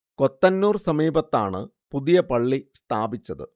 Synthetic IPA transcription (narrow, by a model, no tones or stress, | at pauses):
ko̞t̪ːɐnːuːrsɐmiːbɐt̪ːa̰ːɳɨ̰ | puðijɐpɐɭːist̪ʰaːbit͡ɕːɐðɨ̰